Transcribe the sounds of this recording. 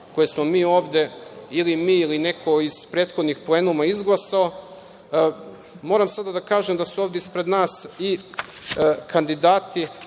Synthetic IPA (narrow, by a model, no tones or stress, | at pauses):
ko̞jesmo̞miːo̞ːʋd̪e̞ilimiːiline̞kʰo̞iz̥pɾeːt̪xod̪nixple̞ːnumaizɡlˠasao̞ | mo̞ːɾamsad̪ad̪akaːʒemd̪asuo̞ːʋd̪eispɾe̞d̪naːsi | kand̪id̪aːt̪i